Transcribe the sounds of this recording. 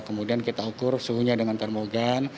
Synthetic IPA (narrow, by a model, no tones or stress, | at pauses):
kəmudiankit̪aukʊrsuɦuɲadəŋant̪ərmoɡan